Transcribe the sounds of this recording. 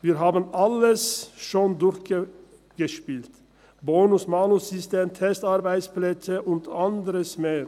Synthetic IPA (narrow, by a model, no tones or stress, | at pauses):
ʋiːɾɦɑːbənaləsʃoːnd̪ʊɾçɡə | ɡ̥əʃpiːlt̪ | boːnʊsmɑːnʊsʏst̪eːmt̪ʰɛst̪ɑɾbæɪtspʰlɛsəʔʊnt̪ʰɑnd̪əɾəsmeːɾ